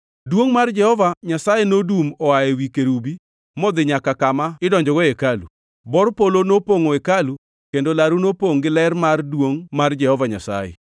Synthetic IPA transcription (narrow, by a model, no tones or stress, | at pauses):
dwoŋmard͡ʒɛhɔvaɲasajenodumɔaewikeɾubi | mɔd̪ɪɲakakamaɪdɔɲd͡ʒɔɡɔekalṵ | bɔɾpolonopoŋoekalu | kendolaɾunopoŋɡɪlɛrmardwoŋmard͡ʒɛhɔvaɲasa̰jɛ̰